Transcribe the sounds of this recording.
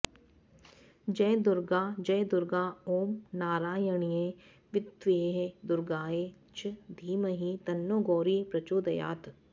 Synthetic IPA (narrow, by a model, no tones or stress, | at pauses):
d͡ʒɐd̪ʊɾɡaːd͡ʒɐjd̪ʊɾɡaːoːmnaːɾaːjəɳ̃ijeː | ʋɪt̪ʋeːɦed̪ʊɾɡaːeː | t͡ʃd̪ʱiːmɐɦit̪ɐnːoːɡoːɾipɾɐt͡ʃoːd̪ɐja̰ːt̪